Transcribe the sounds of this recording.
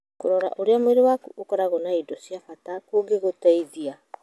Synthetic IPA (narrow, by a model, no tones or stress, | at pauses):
koɾɔɾa̰ʔoɾeamueɾewakuʔokɔɾaɣonaidosiafatakoɡeɣotaiðia